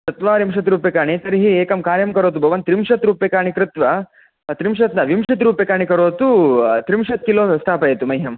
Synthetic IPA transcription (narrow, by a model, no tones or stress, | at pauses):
t̪ɐt̪ʋaːɾimʃɐt̪ɾuːpjɐkaːɳ̃it̪ɐɾiɦieːkɐmkaːɾjɐmkɐɾoːt̪ubʱɐʋɐnt̪ɾimʂɐt̪ɾuːpjɐkaːɳ̃ikɾɪt̪ʋɐ | t̪ɾimʃɐt̪nɐʋimʂɐt̪ɾuːpjɐkaːɳ̃ikɐɾoːt̪ut̪ɾimʃɐt̪̚kiloːst̪ʰaːpɐjet̪umɐjɦɐm